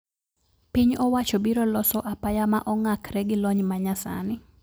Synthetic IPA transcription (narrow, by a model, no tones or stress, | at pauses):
pɪɲɔwat͡ʃobiɾɔlɔsɔʔapajama̰ʔɔŋakɾɛɡɪlɔɲmaɲasa̰nɪ